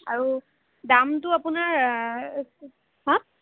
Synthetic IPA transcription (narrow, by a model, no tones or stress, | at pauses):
a̰ɹu | damtʊapʊnaɹ | ɦɔ̃